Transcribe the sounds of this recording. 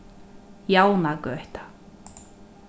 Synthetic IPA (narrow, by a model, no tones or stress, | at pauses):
jawnakœht̪ḁ